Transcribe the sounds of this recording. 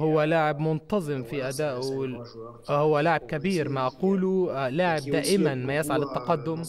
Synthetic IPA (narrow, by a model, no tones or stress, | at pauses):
hʊwːælaʕɪbmʊnt̪ɑzˤɨmfiʔæd̪aːʔ | hʊwːælaʕɪb̚kæbiːɾmaʔɑquːlulaʕɪb̚d̪aːʔɪmanmajɪsʕalɪt̪ːɑqɑd̪ːʊm